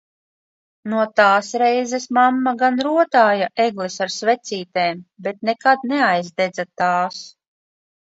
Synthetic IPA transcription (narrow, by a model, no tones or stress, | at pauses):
nuɔt̪aːsɾɛjzɛsmamːaɡanɾuɔt̪aːjaʔɛɡlˠesaɾsvɛt̪siːt̪eːmbet̪̚nekad̪nɛajzd̪ɛd̪zat̪aːs